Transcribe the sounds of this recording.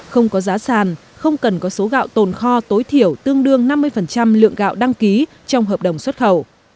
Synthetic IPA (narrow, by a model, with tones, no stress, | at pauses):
xə˧wŋ͡mkɔ˨˦zaː˨˦saː˨˩n | xə˧wŋ͡mkə˨˩nkɔ˨˦so˨˦ɣa̰ː˧˨wt̪o˨˩nxɔ˧t̪o˨˦jt̪ʰi˧˩əwt̪ɨ˧əŋɗɨ˧əŋna˧mːɨ˧əjfə˨˩nt͡ɕa˧mlɨ̰˧˨əŋɣa̰ː˧˨wɗa˧ŋki˨˦ | t͡ɕɔ˧wŋ͡mɦəː˨˩p̚ɗə˨˩wŋ͡mswə˦˥t̚xə˧˩w